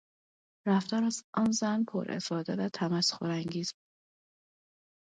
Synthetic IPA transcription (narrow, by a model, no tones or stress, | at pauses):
ɾæft̪ɒːɾæzɒnzænpʰo̰ɾʔḛfɒːd̪evæt̪ʰæmæsxoɾæŋɡiːzbuːd̥̪